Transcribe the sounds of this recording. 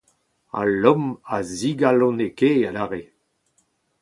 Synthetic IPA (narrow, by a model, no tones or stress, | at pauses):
a̰lɔmaziɡalɔ̃nekealaːʁe